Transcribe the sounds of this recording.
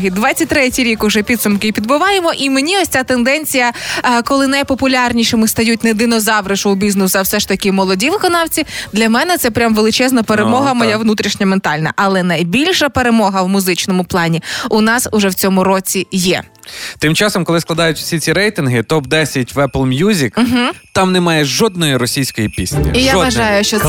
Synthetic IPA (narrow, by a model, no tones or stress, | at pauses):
ɦid̪ʋɑtt͡sʲɐt̚ʲt̪ɾɛtʲijɾʲikʊʒɛpʲid̪sʊmkɪpʲid̪bʊʋɑjemɔʔimenʲiɔsʲt͡sʲat̪end̪ɛnʲt͡sʲijɐkɔlˠɪnɐjpɔpʊlʲɑrnʲiʃɪmɪst̪ɐjutʲned̪ɪnɔzɑʋɾɪʒʊwbʲiznɪsɐwsɛʃt̪ɐkʲɪmɔlˠɔdʲiʋɪkɔnɑwt͡sʲid̪lʲɐmɛnɛt̪sɛpɾʲamʋelˠɪt͡ʃɛznɐpeɾemɔɦɐmɔjaʋnut̪ɾʲiʃnʲɐment̪ɑlʲnɐ̰ʔɐlˠɛnɐjbʲilʲʃɐpe̞ɾemɔɦɐwmʊzɪt͡ʃnɔmʊplˠɑnʲiʊnɑsʊʒɛwt͡sʲɔmʊɾɔt͡sʲijɛ̰t̪ɪmt͡ʃɑsɔmkɔlˠɪsklˠɐd̪ɑjʊtʲwsʲit͡sʲiɾɛjt̪ɪnɦɪt̪ɔb̚d̪ɛsʲɐtʲʋɛplˠmʲjuzʲik̩ːɦ̩t̪ɑmnɛmɑjɛʒɔd̪nɔjiɾɔsʲijsʲkɔjipʲḭsʲnʲḭijaʋɐʒɑjʊʃt͡ʃɔ